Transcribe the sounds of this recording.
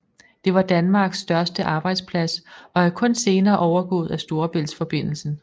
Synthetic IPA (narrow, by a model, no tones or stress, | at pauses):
d̥e̝ʋɑ̈d̥ænmɑ̈ːɡ̥sːd̥ɶɐsd̥əʔɑ̈ːb̥ɑ̈ɪd̥spʰlæsɒ̽æɐkʰɔ̽nse̝ːnɐːʔɒʊɐɡ̥ɔ̰̽ːð̞̩ˠæsd̥o̝ɐb̥e̝l̰sfɒ̽b̥e̝n̰l̩sn̩